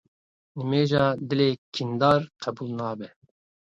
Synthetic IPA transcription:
nɨmeːʒɑːd̪ɪleːkʰind̪ɑːɾqʰɛbuːlnɑːbɛ

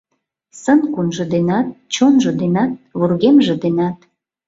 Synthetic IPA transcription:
sənkunʒɤ̆d̪enɑt̪̚t͡ɕonʒɤ̆d̪enɑt̪̚βurɣemʒĕd̪enɑt̪

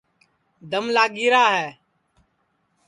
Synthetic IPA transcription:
d̪ʱəmlaːɡiːɾaːɦɛː

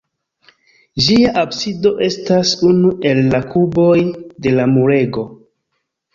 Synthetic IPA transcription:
d͡ʒiaʔabsido̞ʔe̞stasunuʔe̞lːakʰubo̞jde̞lamuɾe̞ɡo̞

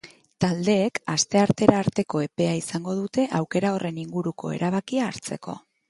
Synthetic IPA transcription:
t̪ald̪e̞ːkast̪e̞aɾt̪e̞ɾaːɾt̪e̞ko̞e̞pe̞aisaŋɡo̞ð̞ut̪e̞ʔawke̞ɾao̞rʔe̞niŋɡuɾuko̞̰e̞̰ɾaβ̞akiaːɾt͡se̞ko̞̰

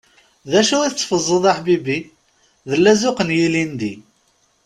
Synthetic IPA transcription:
ðæʃuiθət͡sːfəzˤːəðˤaħbibi | ðəlːæzʊqənjilind̪i

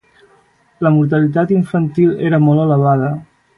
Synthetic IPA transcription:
ləmuɾt̪̬əlit̪at̪iɱfənt̪ileɾəmɔlˠələβ̞að̞ə

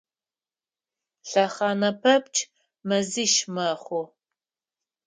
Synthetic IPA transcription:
ɬɐχɑːnɐpʰɐp̚t͡ʃʰʼ | mɐziʃmɐχʷʊ

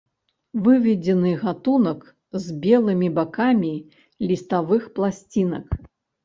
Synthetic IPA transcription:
vɨvʲɛd͡zʲɛnɨɣat̪unɐk | zʲbʲɛlˠɨmʲibakamʲi | lʲist̪avɨxplˠasʲt͡sʲinɐ̰k

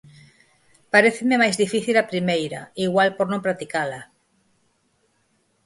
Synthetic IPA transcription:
paɾeθememajzðifiθilapɾimejɾaiɣwalpoɾnõmpɾat̪ikala

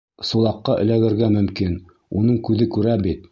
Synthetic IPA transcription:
sulˠɑqːɑʔɘ̰̆læɡɘ̆ɾɡæmɵ̆mkin | unɤɴkʉðɘkʉɾæbit̪̚

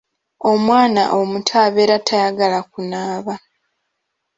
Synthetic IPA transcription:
o̞mwaːna̰ʔo̞mutʰaːβeɾatʰajaɡalakunaːβa

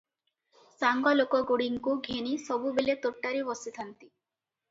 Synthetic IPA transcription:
saŋɡɔlokɔɡuɽiŋkuɡʱenisɔbubelet̪oʈːaɾibɔsit̪ʰant̪i

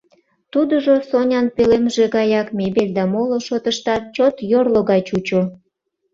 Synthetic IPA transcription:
t̪ud̪əʒosonʲɑnpølemʒeɣɑjɑkmʲebeld̪ɑmoloʃot̪əʃt̪ɑt̪̚t͡ɕot̪jorloɣɑt͡ɕut͡ɕo

